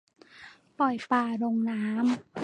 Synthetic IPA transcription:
pɔ˨˩jpaː˧ɾoː˧ŋnaː˦˥m

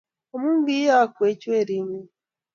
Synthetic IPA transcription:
o˨mũ˦m˦bi˦ja˦˨kwe˨˦t͡ʃe˦˨ɾi˦mu˦

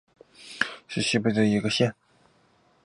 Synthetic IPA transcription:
ʂɻ̩˥˩ɕi˥˩pe˥˩d̪ə˨i˧˥ɡə˧ɕjɛ˥n

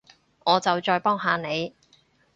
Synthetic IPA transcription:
ŋɔː˨˧t͡sɐ˨wt͡ʃɔː˧jpɔː˥ŋɦaː˨˧ne˨˧j

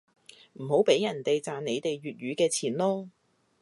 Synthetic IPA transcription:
m̩˨˩ho˨˥wpe˨˥jɐ˨˩nt̪e˨jt͡saː˨nne˨˧jt̪e˨jɥyː˨t̚ɥyː˨˧kɛː˧t͡sʰiː˨˩nlɔː˥

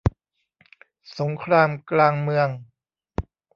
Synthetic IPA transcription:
so˩˦ŋkʰɾaː˧mklaː˧ŋmɯ˧əŋ

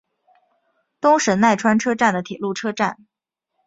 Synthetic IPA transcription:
t̪ʊ˥ŋʂə˧˥nna˥˩ɪʈ͡ʂʰwa˥nʈ͡ʂʰɤ˥ʈ͡ʂa˥˩nd̪ə˩t̪ʰi˨˩lu˥˩ʈ͡ʂʰɤ˥ʈ͡ʂa˥˩n

